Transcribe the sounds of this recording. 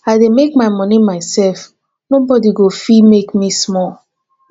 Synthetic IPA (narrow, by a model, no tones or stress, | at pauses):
aɪdemekmaɪmɔ̃nimaɪsɛlf | nobɔdiɡofimekmismɔl